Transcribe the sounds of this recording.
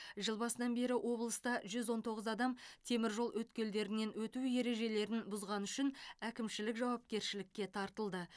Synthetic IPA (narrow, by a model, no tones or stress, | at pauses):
ʒəlˠbɑsənɑnbe̞ɾɪwʔo̞blˠəst̪ɑʒʏzwo̞nt̪ʰo̞ʁəzɑd̪ɑmt̪ʰe̞mɪɾʒo̞lˠwɵt̪kʲe̞ld̪e̞ɾɪne̞nwɵt̪uje̞ɾe̞ʒe̞le̞ɾɪnbʊzʁɑnʏʃɪnækʲɪmʃɪlɪkʒɑwɑp̚kʲe̞ɾʃɪlɪkʲːe̞t̪ʰɑɾt̪əlˠd̪ə